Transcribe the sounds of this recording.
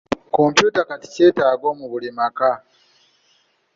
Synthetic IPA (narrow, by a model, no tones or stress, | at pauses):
kompjuːtakati̥ce̞ːtaːɡo̞ːmuβulimaka